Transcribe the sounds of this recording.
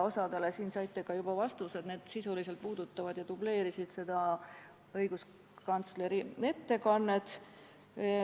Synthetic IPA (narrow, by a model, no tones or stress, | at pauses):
o̞sɑd̪elesiːnsɑjt̪ːˑekɑjub̥ɑvɑst̪used̪ne̞ːd̪̥sisulise̞lt̪̚puːd̪ut̪ːˑɑvɑd̪̥jɑt̪uble̞ːɾisid̪̥se̞d̪̥ɑ | ɤjɡ̥us | kɑnt̪sle̞ɾie̞t̪ːe̞kɑnːe̞t̪